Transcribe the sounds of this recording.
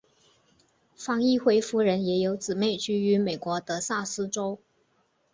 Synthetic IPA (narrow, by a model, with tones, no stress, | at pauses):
fɑ˧˥ŋi˥˧xwe˧˥ɪfu˧˥ɻə˧˥njɛ˧˥jo˧˥ʊt͡sɹ̩˨˩me˥˩ɪt͡ɕy˥y˧˥me˨˩ɪkwɔ˧˥t̪ɤ˧˥sa˥˩sɹ̩˥ʈ͡ʂo˥ʊ